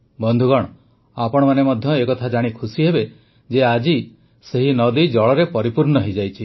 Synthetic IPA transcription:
bɔnd̪ʱuɡɔɽ̃ɔ | apɔɽ̃ɔmanemɔd̪ʱjɔekɔt̪ʰad͡ʒaɽ̃ikʰusiɦebe | d͡ʒead͡ʒi | seɦinɔd̪id͡ʒɔɭɔɾepɔɾipuɾɳɔɦed͡ʒajt͡ʃʰi

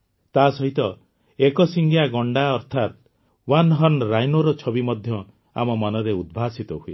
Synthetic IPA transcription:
t̪asɔɦit̪ɔ | ekɔsiŋɡjaɡɔɳɖaɔɾt̪ʰat̪ | wanɦɔnɾajnoɾɔt͡ʃʰɔbimɔd̪ʱjɔ | a̰mɔmɔnɔɾeud̪̚bʱasit̪ɔɦuḛ

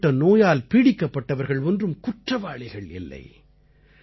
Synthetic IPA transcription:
ɐnoːjaːlpiɽɪkːɐpːɐʈːɐʋɐɾɣɐɭɔndrɯmkʊʈrɐʋaːɭɪɣɐɭɪ̰lːɐ̰ɪ

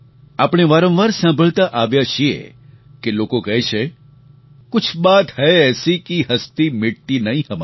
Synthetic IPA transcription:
apɳ̃eʋaɾə̃mʋaɾsãmbʱəɭt̪aʔaʋjaʃʰiḛ | kelokokəɦet͡ʃʰe | kʊt͡ʃʰbat̪həeɛsikiɦəst̪imɪʈinəɦĩɦəma

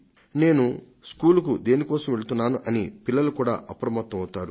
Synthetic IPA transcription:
ne̞ːnu | skuːluk̬ud̪e̞ːnikɔːsɐmʋe̞ɭut̪unːaːnuʔɐnipilːɐlukuːɽa̰ːʔɐpɾɐmɐt̪ːɐmɐwt̪ːaːɾu

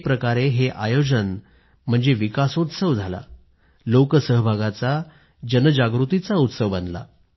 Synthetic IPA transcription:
pɾəkaɾeɦeʔajod͡zən | m̤əɳd͡zeʋikasut̪səʋd͡zʱala̰ | lokəsəɦəbʱaɡat͡sa | d͡ʑənəd͡ʑaɡɾut̪it͡saut̪səʋbənd̪la̰

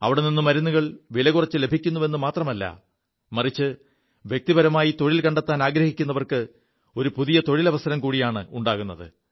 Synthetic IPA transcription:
ɐ̰ʋiɽeninːumɐɾunːuɣɐɭʋilɐɣurɐt͡ɕːɨle̞bʱikʲːunːuʋe̞nːumaːt̪rɐmɐlːɐ̰ | mɐrit͡ɕːɨ | ʋje̞k̚t̪ibɐɾɐmaːjit̪o̞ɻilkɐɳɖet̪ːaːnaːɡɾɐhikʲːunːɐʋɐrkɨ | o̞ɾupuðijɐt̪o̞ɻilɐʋɐsɐɾɐmkuːɽijaːɳɨuɳɖaːɣunːɐðɨ̰

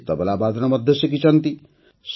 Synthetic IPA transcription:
t̪ʌbalabad̪ʰnamʌd̪ʱjʌsjʌkit͡sʰʌnt̪i | s

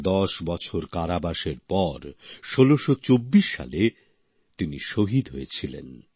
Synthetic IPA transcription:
d̪ɔʃbɔt͡ɕʰoɾkaɾabaʃeɾpɔɾʃoloʃot͡ɕobːiʃːa̰le | t̪iniʃoɦid̪ʱɦojet͡ɕʰilḛn

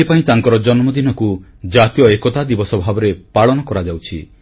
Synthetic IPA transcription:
ipaĩt̪aŋkɔɾɔd͡ʒɔnmɔd̪inɔkud͡ʒat̪ijɔekɔt̪ad̪ibɔsɔbʱabɔɾepaɭɔnɔkɔɾad͡ʒawt͡ʃʰi

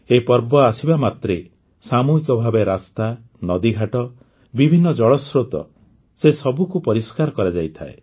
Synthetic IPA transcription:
epɔɾbɔasibamat̪ɾe | samuikɔbʱabeɾast̪a | nɔd̪iɡʱaʈɔ | bibʱinːɔd͡ʒɔɭɔsɾot̪ɔ̰ | sesɔbukupɔɾiskaɾɔkɔɾad͡ʒajt̪ʰaḛ

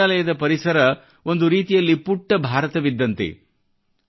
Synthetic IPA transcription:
aːlɐjɐd̪ɐpɐɾisɐɾɐ | o̞nd̪uɾiːt̪ijɐlːipuʈːɐbʱaːɾɐt̪ɐʋid̪ːɐnt̪ḛ

